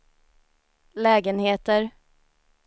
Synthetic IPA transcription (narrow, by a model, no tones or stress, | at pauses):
lɛːɡənheːt̪əɾ